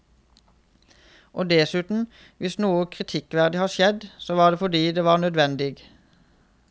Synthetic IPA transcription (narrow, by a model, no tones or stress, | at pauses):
ʔoːd̪ɛsʉːt̪n̩ | ʋʔɪsnuːəkʰʁɪt̪ʰɪkʋæʁd̪ɪhɑʃɛd̪soːʋɑːʁd̪eːfɔd̪iːd̪eːʋɑːʁnœd̪ʋɛnd̪ɪɡ